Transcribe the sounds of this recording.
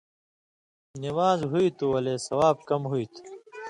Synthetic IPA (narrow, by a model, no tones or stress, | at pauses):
nimaːzɦuit̪uwɐleːsɐwaːb̚kɐmɦuit̪ʰu̥